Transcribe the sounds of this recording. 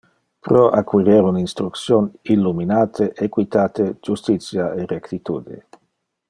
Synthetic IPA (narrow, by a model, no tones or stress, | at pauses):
pɾoʔakwiɾeɾuninst̪ɾukt̪sjonilːuminaːt̪ʰeʔekwit̪aːt̪ed͡ʒust̪it̪sjaerekt̪it̪uːd̪ḭ